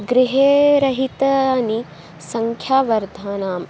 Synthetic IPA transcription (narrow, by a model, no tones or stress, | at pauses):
ɡɾiɦeːɾɐɦit̪ɐni | sɐŋkʰjaːʋɐɾd̪ʱaːnaːm